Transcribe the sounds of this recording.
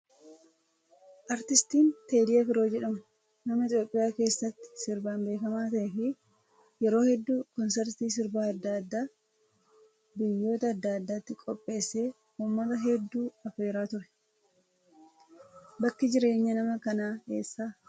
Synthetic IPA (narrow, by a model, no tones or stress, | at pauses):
ʔɐɾt̪ɪst̪iːnt̪e̞ːd̪ɪjɐkɪɾo̞ːd͡ʒɛᶑɐmɐ | nɐmɐɪt̪jo̞ːpʼːɪjaːke̞ːsːɐt̪ːɪ̥sɪɾbaːmbe̞ːkɐmaːt̪ɐʔɛfɪ | jɛɾo̞ːhɛd̪ːuːkɔnsɛɾt̪iːs̬ɪɾbaːɐd̪ːad̪ːaː | bɪjːo̞ːt̪ɐːd̪ːaːd̪ːaːt̪ːɪkʼɔpʼːe̞ːsːe̞ː | uːmːɐt̪ɐɦɛd̪ːuːɐfe̞ːɾaːt̪ʊɾɛ̥ | bɐkːɪd͡ʒɪɾe̞ːɲːɐnɐmɐkɐnaːḛːsːaː